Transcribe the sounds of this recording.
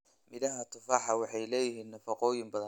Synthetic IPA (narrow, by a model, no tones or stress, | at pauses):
mɪðɐɦɐt̪ʰʊfɑːħɑwɑħɑjlɛːjɪɦiːnnɐfɑqɔːjɪmbɐðɐn